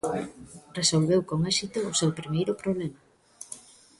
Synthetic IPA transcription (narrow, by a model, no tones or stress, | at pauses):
resolβewkoŋɛsit̪ʊːsewpɾimejɾʊpɾoβ̞lɛma